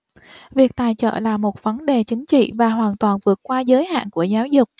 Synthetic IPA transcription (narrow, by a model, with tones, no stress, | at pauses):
vi˨˩ək̚t̪aː˧˨jt͡ɕə̰ː˧˨la̰ː˧˨˩mo˨˩t̚və˨˦nɗe˨˩t͡ɕï˨˦ŋ̟t͡ɕḭ˧˨vaː˨˩ɦwaː˨˩nt̪waː˨˩nvɨ˨˩ət̚kwaː˧zəː˨˦jha̰ː˧˨nku˧˩əzaː˨˦wzʊ˨˩k͡p̚